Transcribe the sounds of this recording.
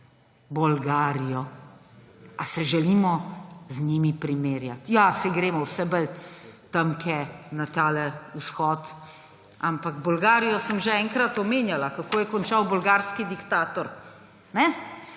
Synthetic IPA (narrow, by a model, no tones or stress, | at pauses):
bɔlɡaːɾijɔ | asɛʒɛliːmɔzniːmipɾimeːɾjat̪jasɛɡɾeːmɔwsɛbəlt̪ɐmkɛnat̪aːlɛusxɔːt̪ | ampaɡbɔlɡaːɾijɔsəmʒɛɛŋkɾat̪ɔmeːnjalakakoːjɛkɔnt͡ʃawbɔlɡaːɾskid̪ikt̪aːt̪ɔɾ | nɛ